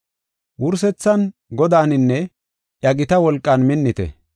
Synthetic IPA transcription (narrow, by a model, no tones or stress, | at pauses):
wʊɾs̬ɛt͡sːɐnɡɔd̪aːnɪnːɛ | ʔjɐɡɪt̪ɐwɔlkʼːɐnmɪnːɪt̪ɛ̰